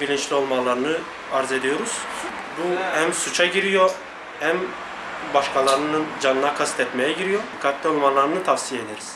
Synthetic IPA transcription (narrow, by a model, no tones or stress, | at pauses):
bilʲint͡ʃlʲio̞lˠmalˠaɾɯnɯ | aɾze̞d̪ijo̞ɾuz̥ | buhæmsut͡ʃʰaɟiɾijo | hæm | baʃkalˠaɾɯnɯnd͡ʒanɯnakʰast̪ɛt̪mejɛɟiɾijo̞kʰat̪ːʲɛo̞lˠmanlˠaɾɯnɯt̪ʰafsijed̪eɾiz̥